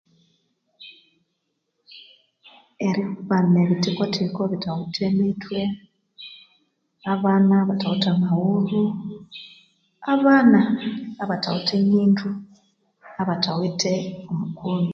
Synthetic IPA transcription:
e̞ɾikuβaneβitikotʰikoβitawitʰemitʰwe̞ | aβanaβatawitamahuɾu | aβaːnaːβatawutʰeɲiːntʰu | aβatʰawitʰe̞omukʰuni

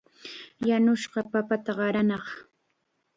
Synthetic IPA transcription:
janʊʃɢɑpapat̪aɢɑɾanɑχ

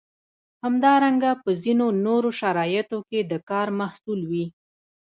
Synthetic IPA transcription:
hamd̪ɑɾaŋɡapəzinonoɾoʃaɾɑjət̪oked̪əkɑɾmahsulwi

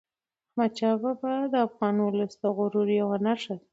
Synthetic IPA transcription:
mat͡ʃɑbabad̪əafɣɑnwʊləsd̪əɣʊɾuɾjawanaʂa

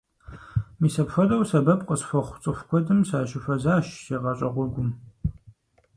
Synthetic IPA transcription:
miːsɐpxʷɐdɐwsɐbɐpqʼəsfʷɐχʷt͡sʼɨxʷkʷʰɔdɨmsaːʃɪfɐzaːʃseːʁɐɕʼɐʁʷʊrɡʷʊm

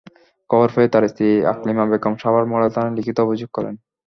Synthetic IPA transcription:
kɔboɾfeet̪aɾist̪ʰia̰klimabekɔmʃabaɾmɔɽat̪analikʰit̪oobʱid͡ʑuɡ̚kɔɾḛn

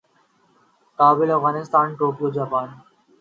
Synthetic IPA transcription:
kaːbɪlɐfɣaːnɪst̪aːnʈoːkijod͡ʒaːpaːn

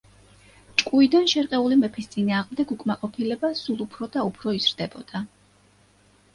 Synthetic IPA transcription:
t͡ʃʼkʼuid̪anʃɛɾqʼɛulimɛpʰist̪sʼinaːʁmd̪ɛɡukʼmaqʼɔpʰilɛbasulˠupʰɾɔd̪aupʰɾɔizɾd̪ɛbɔd̪̥a

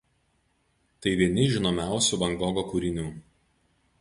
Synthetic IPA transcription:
t̪ɐɪʋʲiɛnʲɪʒʲɪnoːmʲæˑʊsʲuːˑʋɐŋɡɔɡokuːɾʲɪnʲuː

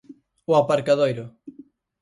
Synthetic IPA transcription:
ʊapaɾkaðojɾʊ

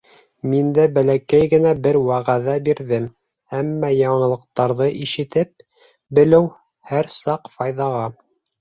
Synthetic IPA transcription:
mind̪æbælækæjɡɘ̆næbɘɾwæʁæðæbiɾðɘm | æmːæjɑɴɤ̆lˠɤ̆q̚t̪ɑɾðɤʔiʃɘ̆t̪ɘp̚ | bɘ̆lɘw | hæɾsɑqfɑjðɑʁɑ

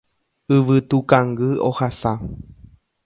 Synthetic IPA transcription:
ɨʋɨt̪ukãŋɡɨo̰hasa

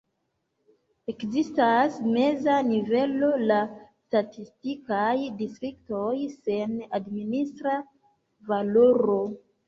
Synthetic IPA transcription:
e̞kzistasme̞zanive̞lo̞lastatistikajdistɾikto̞jse̞nadministɾa | valoɾo

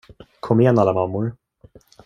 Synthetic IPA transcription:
kʰɔmːɪjɛnalːamamːʊɾ

